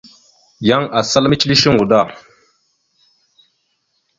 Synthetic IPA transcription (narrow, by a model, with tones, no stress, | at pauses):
ja˦ŋa˨sa˦lmi˦t͡ʃi˦li˦ʃi˦ŋu˨da˦˨